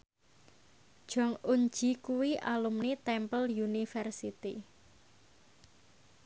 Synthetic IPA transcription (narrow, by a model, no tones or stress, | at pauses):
d̥ʒ̥ɔ̤ŋuɲ̥d͡ʒ̥i̤kuwiʔalumnit̪ɛmpəljunifɛrsit̪i